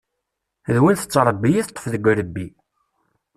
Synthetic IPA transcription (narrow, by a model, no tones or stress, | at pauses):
ðwænθə̥t͡sːɾˤəbːijiθt̪ˤːə̥fðəɡʷɾəbːi